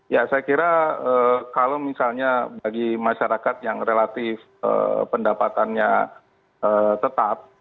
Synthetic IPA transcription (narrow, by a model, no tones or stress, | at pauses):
jasajakiɾaəkalomisalɲabaɡimaʃaɾakat̪jaŋrelat̪ɪf | ə̰pəndapat̪anɲa | əːt̪ət̪ap̚